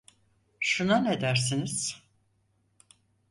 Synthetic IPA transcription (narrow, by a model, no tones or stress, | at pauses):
ʃunaned̪æɾsiniz̥